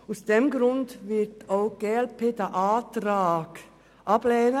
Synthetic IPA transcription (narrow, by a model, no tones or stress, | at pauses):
ʊsd̥ɛmɡɾʊndʋɪɾtʰoʊɡ̥eːɛlpʰeːd̪æʔɑːt̪ɾɑːɡ̥ | ʔɑblɛːnə